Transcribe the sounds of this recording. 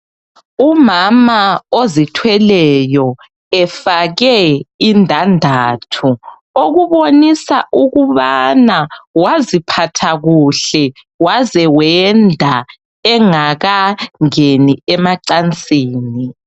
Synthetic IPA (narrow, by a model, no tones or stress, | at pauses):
umamaozitʰwɛlɛjɔ | ɛfaɣɛindʱandʱaːtʰu | oɣuβonisaʔuɣuβanawazipʰatʰaɣuɬɛ | wazɛwɛndʱa | ɛŋaɣaŋeniɛmaǀant͡sʼiːni